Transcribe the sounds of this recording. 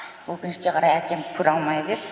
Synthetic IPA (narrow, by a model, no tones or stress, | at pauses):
wɵkʲɪnɪʃkʲe̞qʰɑɾɑjækʲʰe̞mkʰʊɾɑlˠmɑjd̪e